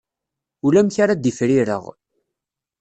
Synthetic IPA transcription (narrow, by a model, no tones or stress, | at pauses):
ulæmçaɾad̪ifɾiɾə̰ʁ